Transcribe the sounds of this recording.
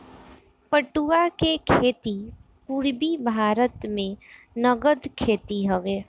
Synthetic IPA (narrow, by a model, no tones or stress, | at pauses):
pəʈuakekʰeːt̪i | puɾbibʱaːɾət̪mẽ | nəɡəd̪kʰeːt̪iɦoɡeː